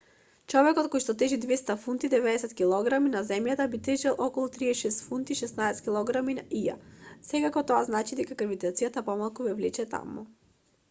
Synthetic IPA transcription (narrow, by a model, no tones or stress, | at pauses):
t͡ʃɔvɛkɔt̪kɔjʃt̪ɔt̪ɛʒid̪vɛst̪afunt̪id̪ɛvɛd̪ɛsɛt̪kʲilˠɔɡɾaminazɛmjat̪abit̪ɛʒɛlˠʔɔkɔlˠut̪ɾiɛʃɛst̪funt̪iʃɛsnaɛskʲilˠɔɡɾamina̰ʔija̰sɛkakɔt̪ɔaznat͡ʃid̪ɛkakɾvit̪at̪sijat̪apɔmalˠkuvɛvlɛt͡ʃɛt̪a̰mṵ